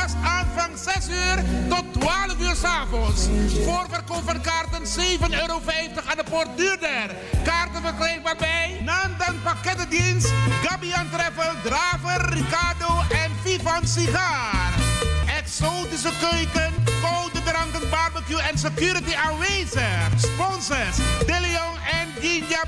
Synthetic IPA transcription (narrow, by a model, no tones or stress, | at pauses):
asaːnvɑŋsɛsyːrtɔtːʋaːləfyːrsaːvɔnsoːrvərkowpfənkaːrtənseːvənøːɾowfɛjftəχandəport̚dyːrdər | kaːrtənvərklɛjk̚barbɛjnaːntanpakɛtədinsɡɑbiantrɛfədraːvərːikardoːʔɛnfifansixaːrɛksoːtis̬əkøɥkənkɔwdədɾɑŋkənbarbakjuɛns̬əkjuːɾitianʋejzəspɔnsəsdɪliɔŋɛnɡinja